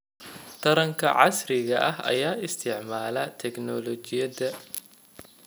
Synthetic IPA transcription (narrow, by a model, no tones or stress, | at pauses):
t̪ʰɐɾɐŋkʰɐ̰ʕɑ̰srɪɣɐʔɐɦɐ̰jaːɪst̪ʰɪʕmaːlɐt̪ʰɛɡnɔlɔt͡ʃɪjɐðɐ